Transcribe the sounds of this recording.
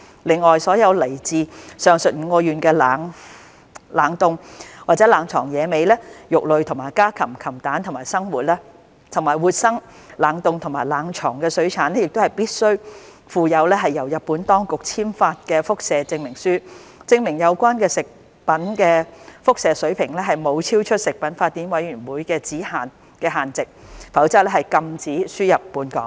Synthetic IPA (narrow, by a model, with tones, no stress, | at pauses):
lɪ˨˩ŋɔː˨jsɔː˨˥jɐ˨˧wlɐ˨˩jt͡siː˨sœː˨˩ŋsɵ˨t̚m̩ː˨˧ŋkɔː˧jyː˨˩nkɛː˧laː˨˧ŋ | laː˨˩ŋt̪ʊ˨ŋwaː˨t̚t͡sɛ˨˥laː˨˩ŋt͡ʃʰɔː˨˩ŋjɛː˨˧me˨˧jlɛː˥jʊ˨k̚lɵ˨˧ɥt̪ʰʊ˨˩ŋmaː˨˩jkaː˥kʰɐ˨˩mkʰɐ˨˩mt̪aː˨˥nt̪ʰmaː˨˩jsɐ˥ŋwuː˨t̚lɛː˥ | t̪ʰʊ˨˩maː˨˩jwuː˨t̚sɐ˥ŋ | laː˨˩ŋt̪ʊ˨˧ŋt̪ʰʊ˨˩maː˨˩jlaː˨˥ŋt͡ʃʰɔ̰ː˨˩ŋkɛː˧sɵ˨˥ɥt͡sʰaː˨˥nɛ˥jɪ˨k̚t̪o˥hɐ˨jpiː˥t̚sɵ˥ɥ | fuː˨˧jɐ˨˧wlɛː˥ɦɐ˨jːɐ˨˩wjɐ˨t̚pːuː˨˥nt̪ɔː˥ŋkʊ˨k̚t͡sʰiː˥mfaː˧t̚kɛː˧fʊ˥k̚sɛː˨˧t͡sɪ˧ŋmɪ˨˩ŋsyː˥ | t͡sɪ˧ŋmɪ˨˩ŋjɐ˨˧wkʷaː˥nkɛː˧sɪ˨k̚ | pɐ˨˥nkɛː˧fʊ˥k̚sɛː˨˧sɵ˨˥ɥpʰɪ˨˩ŋlɛː˥ɦɐ˨jmo˨˧wt͡sʰiː˥wt͡ʃʰɵ˥t̚sɪ˨k̚pɐ˨˥nfaː˧t̪̚ːiː˨˥nwɐ˨˥jɥyː˨˩nwuː˨˥jkɛː˧t͡siː˨˥haː˨n | kɛː˧ɦaː˨˩nt͡sɪ˨k̚fɐ˨˥wt͡saː˥lɛ˥hɐ˨jkɐ˧mt͡siː˨˥syː˥jɐ˨˩pːuː˨˧˥nkɔː˨˥ŋ